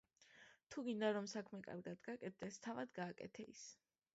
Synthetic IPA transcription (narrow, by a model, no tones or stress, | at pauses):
t̪ʰuɡind̪aɾɔmsakʰmɛkʼa̰ɾɡad̪ɡakʼɛt̪̚d̪̥ɛst̪ʰavad̪ɡaːkʼɛ̰t̪ʰɛḭs